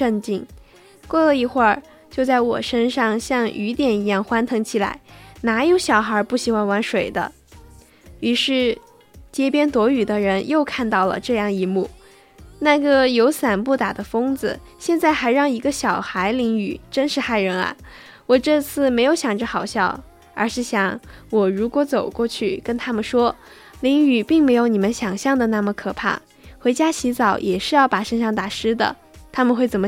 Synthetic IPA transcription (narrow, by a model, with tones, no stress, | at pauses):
ə˥˧nt͡ɕi˥˩ŋ | kwɔ˥˩lə˧˩i˧˩xwə˥˧ | t͡ɕjo˥˧ʊt͡sa˥˩ɪwɔ̰˨˩ʂə˥nʂɑ˥˧˩ŋɕjɑ˥˧ŋy˧˥t̪jɛ˨˩ni˧˥jɑ˥˩ŋxwa˥nt̪ʰɤ˧˥ŋt͡ɕʰi˨˩la̰˧˥ɪna˧˥jo˧˥ʊɕjɑ˨˩ʊxə˞˧˥pu˥˩ɕi˨˥xwa˥nwa˧˥nʂwe˨˩ɪd̪ə̰˦ | y˧˥ʂɻ̩˥˩ | t͡ɕjɛ˥pjɛ˥nt̪wɔ˧˥y˨˩d̪ə˦ɻə˧˥njo˥˧ʊkʰa˥˧nt̪ɑ˥˩ʊlə̰˩ʈ͡ʂɤ˥˧jɑ˥˩ŋi˧˥mu˥˩ | na˥˩ɡə˩jo˧˥ʊsa˨˩npu˥˩t̪a˨˩d̪ə˦fɤ˥ŋd͡zɹ̩˨ | ɕjɛ˥˧nt͡sa˥˩ɪxa˧˥ɪɻɑ˥˩ŋi˧˥ɡə˧ɕjɑ˨˩ʊxa˧˥ɪli˧˥ŋy̰˨˩ʈ͡ʂə˥nʂɻ̩˥˧xa˥˩ɪɻə˧˥nɐ̰˧˩ | wɔ˨˩ʈ͡ʂɤ˥˧t͡sʰɹ̩˥˩me˧˥ɪjo˧˥ʊɕjɑ˨˩ŋʈ͡ʂə˧˦xɑ˨˩ʊɕjɑ˥˩ʊ | ə̰˞˧˥ʂɻ̩˥˩ɕjɑ˧˥˦ŋwɔ˨˩ɻu˧˥kwɔ˧˥t͡so˨˩ʊkwɔ˥˧t͡ɕʰy˥˩kə˥nt̪ʰa˥mə˨nʂwɔ˥ | li˧˥ŋy˨˩pi˥˩ŋme˧˥ɪjo˧˥ʊni˨˩mə˦nɕjɑ˨˩ŋɕjɑ˥˩ŋd̪ə˩na˥˩mə˩kʰɤ˨˩pʰa̰˥˩ | xwe˧˥ɪt͡ɕja˥ɕʰi˧˥t͡sɑ˨˩˥ʊjʔɛ˨˩ʂɻ̩˥˧jɑ˥˩ʊpa˨˩ʂə˥nʂɑ˥˩ŋt̪a˨˩ʂɻ̩˥d̪ə̰˨ | t̪ʰa˥mə˨nxwe˥˩ɪt͡sə˨˩nm˦